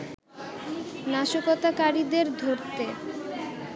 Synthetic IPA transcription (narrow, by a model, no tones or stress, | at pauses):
naʃokot̪akaɾid̪eɾd̪ʱoɾt̪e